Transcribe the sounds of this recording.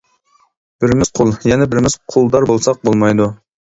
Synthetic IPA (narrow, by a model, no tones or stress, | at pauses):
b̥ɪɾmɪz̥qʰolˠjɛnɪbɪɾmɪz̥qʰolˠd̪ɑɾbolˠsɑq̚bolˠmɑjd̪u